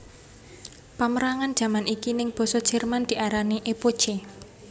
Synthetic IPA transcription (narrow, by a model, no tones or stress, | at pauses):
paməɾaŋand̥ʒ̥ä̤manikinɪŋb̥ɔ̤sɔd̥ʒ̥ɛ̤rmand̪̥i̤ʔaɾaniʔepod̥ʒ̥e